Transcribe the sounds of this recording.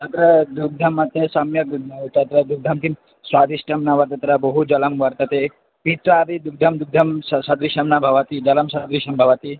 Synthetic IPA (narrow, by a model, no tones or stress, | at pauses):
t̪ɐt̪ɾɐd̪uɡ̚d̪ʱɐmɐt̪esɐmjɐkt̪ɐt̪ɾɐd̪uɡ̚d̪ʱɐmk̪im | swaːd̪iʃʈɐmnaʋɐɾt̪ɐt̪ɐɾɐbɐɦud͡ʒɐlɐmʋɐɾt̪ɐt̪e | pit̪ɾaːɾid̪uɡ̚d̪ʱɐmd̪uɡ̚d̪ʱɐmsɐsɐd̪ɾiʃɐmnabʱɐʋɐt̪id͡ʒɐlɐmsɐd̪ɾiʃɐmbʱɐʋɐt̪i